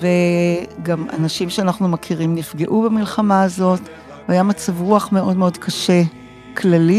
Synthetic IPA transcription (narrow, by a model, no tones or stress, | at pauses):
veɡama̰naʃimʃeanaχnumakʰiʁimnifɡe̞ʔubemilχamaːzo̞t | ajamat͡savʁuaχme̞o̞dmeo̞dkʰaʃe | kʰlali